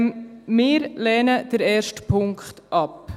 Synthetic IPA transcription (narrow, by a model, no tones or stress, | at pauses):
mɪːɾlɛːnəd̥əɾɛːɾʃtpʰʊŋkχt̪ʔɑp